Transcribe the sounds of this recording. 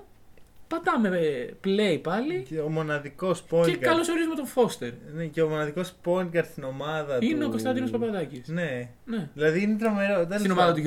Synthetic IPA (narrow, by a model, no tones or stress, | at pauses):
pɐt̪ɐme̞ple̞jpɐliceomo̞nɐðiko̞spojekɐlosoɾizumet̪ofo̞st̪e̞ɾneceomo̞nɐðiko̞spo̞iŋkɐɾst̪ino̞mɐðɐineo̞ko̞st̪ɐnd̪ino̞spɐpɐðɐcisne | neðilɐðiinet̪ɾo̞me̞ɾot̪einomɐɐðɐot̪i